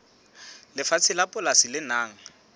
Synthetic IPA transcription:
lɪfat͡sʰɪlapʼʊlasɪlɪnaːŋ̩

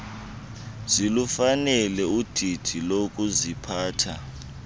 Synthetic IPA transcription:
zilufanɛlɛud̥ʱid̥ʱilokʼuzipʰaːtʰa

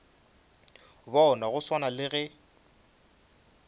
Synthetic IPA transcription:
bɔʊnaɣʊswanalɪɣɛ

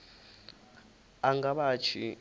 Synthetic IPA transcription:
aŋɡaɓat͡ʃʰi

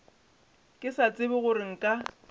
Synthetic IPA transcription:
kʼɪsat͡sʼɪbʊɣʊɾɪŋ̩kʼa

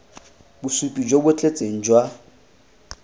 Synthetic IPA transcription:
busupʼid͡ʒwobʊet͡ɬʼet͡sʼeŋ̩d͡ʒwa

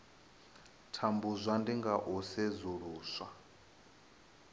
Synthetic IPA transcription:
tʰambuzʷandiŋɡaʔusezuɺuːswa

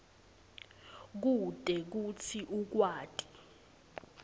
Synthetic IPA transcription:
k̬ud̥ʼɛk̬ut͡sʰiʔuk̬waːtʼi̥

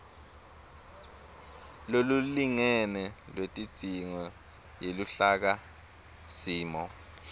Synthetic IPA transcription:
loluliŋɛnɛlwetʼi̥d̥ʱiŋɔ | jeluɬak̬a | siːmɔ

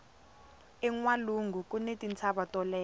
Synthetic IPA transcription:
ɛŋwaluŋɡʱukʼunetʼint͡sʰaɓatʼɔlɛː

